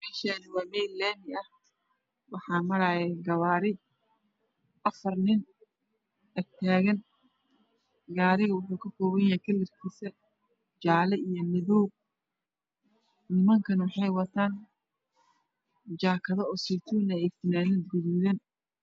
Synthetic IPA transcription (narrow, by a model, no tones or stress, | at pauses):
mɛːʃanɪwaːβɛjlɛːmɪɐh | wɑħɑːmɐɾaːjɛɡɐβaːɾɪ | ʔɐfɐrnɪn | ɛɡ̚t̪ʰaːɣɐn | ɡaːɾɪɣɐwʊħuːkʰɐkɔːwɐjjɐhkʰɐlːɪrkʰiːsɐ | d͡ʒaːlɛʔijɔmɪðɔːɡ | nɪmɐŋkʰɐnwɑħɑjwɐt̪ʰaːn | d͡ʒaːkʰɐðɔɔːsit̪ʰuːnɐɛkt̪ɪnaːnɐd̪̚ɡʊðuːðɐn